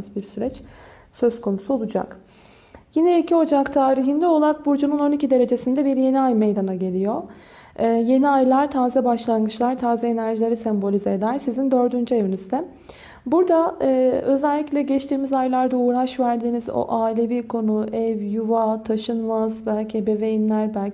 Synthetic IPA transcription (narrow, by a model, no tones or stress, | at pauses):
zbiɾsyɾɛt͡ʃ | søz̥kʰo̞nusuo̞lˠud͡ʒa̰k | jinɛicʰio̞d͡ʒakt̪ʰaːɾiɦind̪ɛo̞lˠaɾak̚buɾd͡ʒununo̞nicid̪e̞ɾe̞d͡ʒe̞sind̪ɛbiɾje̞niajmejd̪anaɟe̞lʲijo̞ː | je̞niajlˠaɾt̪ʰaːzɛbaʃlˠanɡɯt͡ʃlˠaɾt̪ʰaːzɛenæɾʒilʲe̞ɾisɛmbo̞lʲized̪æɾsizind̪ø̞ɾd̪ynd͡ʒye̞vinyzd̪ɛ | buɾd̪aːø̞zælʲːiclʲɛɟɛt͡ʃt̪ʰiːmizajlˠaɾd̪auːɾaʃvæɾd̪iːnizo̰ʔaːilʲebiɾkʰo̞nuʔɛvjuvat̪ʰaʃɯnmazbælʲcʰebevejinlʲæɾbælʲ